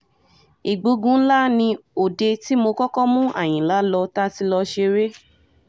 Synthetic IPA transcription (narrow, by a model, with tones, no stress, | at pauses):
i˨ɡ͡bu˧˦ɡũ˦n̩˦la˦nĩ˧o˨de˧ti˦mo˧kɔ˦kɔ˦mũ˦ʔa̰˦˨j̃ĩ˨la˨˦lɔ˧ta˦ti˧˦lɔ˧ʃe˧ɾe˦